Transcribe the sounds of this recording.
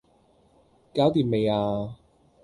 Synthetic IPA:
kaː˥wt̪iː˨˩nme˨˧jaː˧

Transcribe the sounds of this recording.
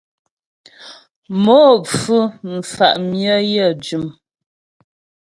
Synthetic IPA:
moː˨˦p͡fu˦m̩˨fa̰˨ʔmjə˦jə˦˨d͡ʒʉ˨m

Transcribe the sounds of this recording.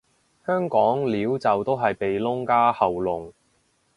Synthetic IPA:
hœː˥ŋkɔː˨˥ŋliː˨˥wt͡sɐ˨wt̪o˥wɦɐ˨jpe˨jlʊ˥ŋkaː˥hɐ˨wlʊ˨ŋ

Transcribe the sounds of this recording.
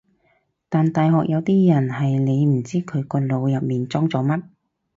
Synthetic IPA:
t̪aː˨nt̪aː˨jɦɔː˨k̚jɐ˨˧wt̪iː˥jɐ˨˩nhɐ˨jne˨˧jm̩˨˩t͡siː˥kʰɵ˨˧ɥkɔː˧lo˨˧wjɐ˨p̚miː˨nt͡sɔː˥ŋt͡sɔː˨˥mɐ˥t̚

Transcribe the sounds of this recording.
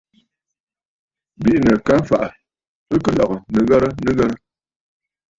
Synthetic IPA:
bi˦ʔnə˨ka˦fa˨ʔa˨ | ə˦kə˨lɔ˨ɣə˨nə˨ɣa˦ɾə˦nə˦ɣə˦ɾə˦

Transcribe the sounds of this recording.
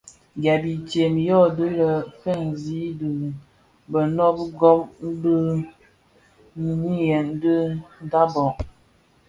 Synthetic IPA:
ɡa˨bi˨tje˨m˨jɔ˦˨do˦lə˨fɛ˦˨nzi˦də˨ | bə˨nɔ˦p̚ɡɔ˦p̚m̩˦bə˦ | ni˨ni˦jɛ˨n˦də˦n˦da˦bɔ˨ʔ

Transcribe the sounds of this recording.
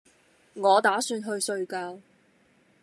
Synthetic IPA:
ŋɔː˨˧t̪aː˨˥syː˧nɦɵ˧ɥsɵ˧ɥkaː˧w

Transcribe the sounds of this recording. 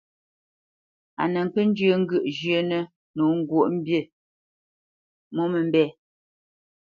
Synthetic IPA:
a̰˨nə˨ŋ̩˨kə˦n̩˦d͡ʒə˦ŋ̩˦ɡʉ˦˨ʔʒjə˨˦nə˦ | nu˨˦ŋ̩˦ɡwo˦˨ʔm̩˦bje˦˨ | mo˦mə˨m̩˦bɛː˦˨

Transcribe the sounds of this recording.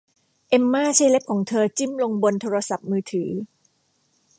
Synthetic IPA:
ʔe˧mːaː˥˩t͡ɕʰaː˥˩jle˦˥p̚kʰɔː˩˦ŋt̪ʰɤː˧t͡ɕi˥˩mlo˧ŋbo˧nt̪ʰoː˧ɾa˧sa˨˩p̚mɯː˧t̪ʰɯː˩˦

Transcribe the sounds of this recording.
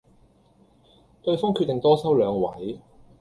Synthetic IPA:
t̪ɵ˧ɥfɔː˥ŋkʰyː˥˧t̪e˨˩ŋt̪ɔː˥sɐ˥wlœː˨˧ŋwɐ˨˥j

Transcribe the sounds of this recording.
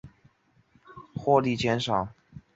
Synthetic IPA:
xwɔ˥˧li˥˩t͡ɕjɛ˧˥nʂɑ˨˩˦ŋ

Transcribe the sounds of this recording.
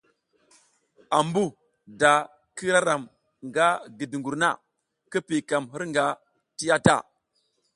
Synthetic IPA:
a˨mbu˦ | da˨ | ki˦ɾa˦ɾa˨m | ŋɡa˦ɡi˨di˨ŋɡu˨ɾna̰˦ | kə˦pi˨ka˨mi˦ɾŋɡa˨ | ti˦ja˦ta̰˦˨

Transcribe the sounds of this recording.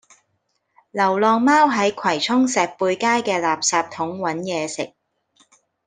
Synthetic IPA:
lɐ˨˩wlɔː˨˧ŋmaː˥wɦɐ˨˥jkʷʰwɐ˨˩jt͡sʰʊ˥ŋsɛː˨k̚puː˧jkaː˥jkɛː˧laː˨p̚saː˧p̚t̪ʰʊ˨˥ŋwɐ˨˥njɛː˨˧sɪ̰˨k̚

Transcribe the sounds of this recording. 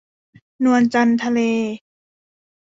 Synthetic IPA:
nu˧ənt͡ɕa˧nt̪ʰa˧leː˧

